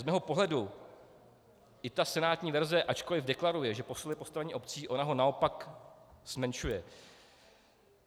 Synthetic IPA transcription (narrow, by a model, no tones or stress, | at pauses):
zmɛːɦo̞po̞ɦlɛdu | ʔɪt̪asɛnaːt̪ɲiːvɛɾzɛʔat͡ʃko̞lɪvdɛklaɾujɛʒɛpo̞sulɪpo̞st̪avɛɲiːʔo̞p̚t͡siːʔo̞naɦo̞nao̞pakz̥mɛnʃujɛ